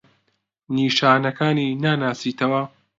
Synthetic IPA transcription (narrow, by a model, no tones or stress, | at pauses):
niːʃaːnɐkaːniːnaːnaːsiːt̪ʰɐwɐ